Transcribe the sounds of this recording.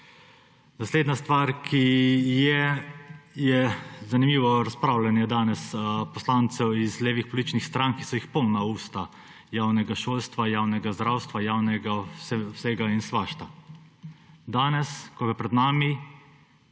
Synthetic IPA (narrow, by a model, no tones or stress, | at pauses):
nasleːd̪nast̪ʋaːɾkʰijɛ | jɛzanimiːʋɔɾaspɾaːwlanjɛd̪aːnɛspɔslaːnt̪sɛwizleːʋixpɔlit͡ʃnixst̪ɾaːŋkisɔjixpɔwnauːst̪a | jaːwnɛɡaʃoːlst̪ʋajaːwnɛɡazd̪ɾaːwst̪ʋajaːwnɛɡassɛɡainsʋaːʃt̪a | d̪aːnɛskɔɡɛpɾɛd̪naːmi